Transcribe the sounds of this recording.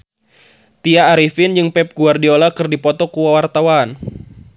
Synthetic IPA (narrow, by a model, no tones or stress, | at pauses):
t̪iaːɾifind͡ʒɨŋpɛp̚ɡ̥uardiolakɨrdipɔt̪ɔkuwawart̪awan